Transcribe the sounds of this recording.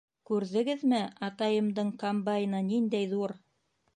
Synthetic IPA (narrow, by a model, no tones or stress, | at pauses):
kʉɾðɘ̆ɡɘðmɘɑt̪ɑjɤ̆md̪ɤɴkombajnɤnind̪æjðuɾ